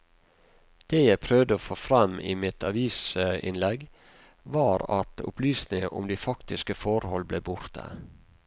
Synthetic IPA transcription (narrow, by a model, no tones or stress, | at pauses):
d̪̥eːjæɪpʰɾœʋd̪əoːfoːfɾɑmḭːmɪt̪ʰɑʋiːsɪ̰nlɛɡ | ʋɑːɾɑt̪ʊ̰plyːsnɪŋəʔʊ̰md̪æːfɑkt̪ɪskəfɔɾhɔlbleːbʊɾt̪ʰə̰